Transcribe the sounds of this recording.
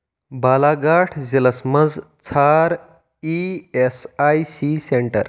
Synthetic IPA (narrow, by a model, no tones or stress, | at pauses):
balaɡaʈʰd͡ʑeləsməd͡zt͡sʰaɾ | iesajsiseɳʈə̰ɾ